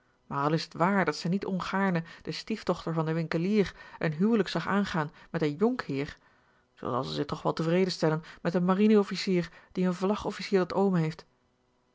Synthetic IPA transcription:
maːɹɑlˠɪsətʋaːɹdɑtsɛnitɔnχaːɹnəd̥əstiftɔχtəɹvɑndəʋɪŋkəliːrʔənɦywləksɑχaːnχaːnmɛtənjɔŋkɦɪːɹ | z̥o̰ɑ̰lˠsəzɪχtɔχʋɛlˠtəvrejdənstɛlənmɛtənmarinəɔfisiːrd̥iənvlɑχɔfisiːɹdɑtowməɦejft

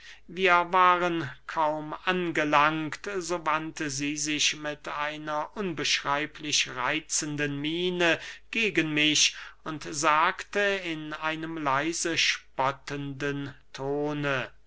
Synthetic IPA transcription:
viːɐvaːʁənkʰaʊmʔanɡəlaŋktzoːvantəziːzɪʃmɪtaɪnɐʔʊnbəʃʁ̥aɪpʰlɪʃʁa̰ɪt͡səndənmiːnəɡ̥eːɡənmɪʃʊntzaːktəɪnaɪnəmlaɪzəʃpɔtəndəntʰoːnə

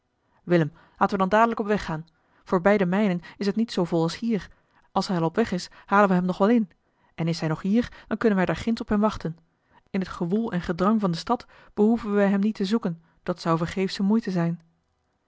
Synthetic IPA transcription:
ʋɪləm | laːtənʋədɑndaːdələkɔpʋɛχːaːn | v̥oːɹbɛjdəmɛjnənɪsɦətnitsowvɔlˠɑlˠshiːɹ | ɑlˠsɦɛjɛɹɔpʋɛχɪshaːlənʋəɦɛmnɔχʋɛlˠɪn | ʔɛnɪsɦɛjnɔχɦiːɹd̥ɑnkɵnənʋɛjdaːɹχɪnsɔpɦɛmʋɑχtən | ɪnɦətχəʋulˠɛnχədrɑŋvɑndəstɑt | b̥əɦuvənʋɛjɦɛmnitəzukən | d̥ɑtsɑwvəɹχejfsəmujtəzɛjn

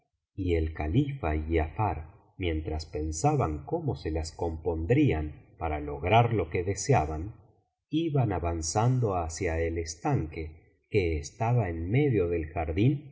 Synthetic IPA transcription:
ie̞lkalifaiafaɾ | mjẽ̞nt̪ɾaspe̞nsaβaŋko̞mo̞se̞lasko̞mpo̞nd̪ɾianpaɾalo̞ɣɾaɾlo̞keðe̞seaβan | iβanaβansand̪o̞asjaelest̪aŋke̞ | keːst̪aβaenme̞ðjo̞ðe̞lxaɾðin

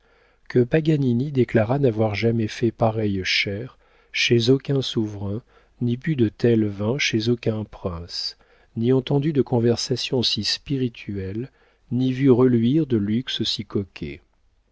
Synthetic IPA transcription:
kəpaɡaninid̪eklaʁanavwaʁʒamɛfɛpaʁɛjʃɛʁ | ʃezokʲɛ̃suvʁɛ̃ | nipyd̪ət̪ɛlvɛ̃ʃezokʲɛ̃pχɛ̃s | niɑ̃t̪ɑ̃d̪yd̪əkɔ̃vɛʁsasjɔ̃sispiʁit̪ʰyɛl | nivyʁəlɥiʁd̪əlykssikɔkʲʰḛ

